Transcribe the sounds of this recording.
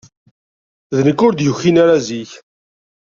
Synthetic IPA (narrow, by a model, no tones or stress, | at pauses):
ðənəkːʊɾd̪jʊçːinaɾaziç